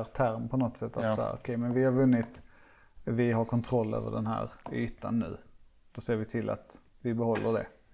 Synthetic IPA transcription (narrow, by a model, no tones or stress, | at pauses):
ɾt̪ʰæɾmpʰɔnɔt̪ːsɛt̪ːat̪sahæ̰ɾɔ̰kʰɛjmɛnvɪhaɾvɵnːɪt̪ | vɪɦaɾkʰɔnt̪ʰɾɔlːø̰ːvə̰ɖɛnɦæ̰ːɾyːt̪a̰nːʉ̟̰ːd̪̥ɔseːɾvɪt̪ʰɪlːʔa̰t̪ | vɪbɛhɔlːəɖɛ̰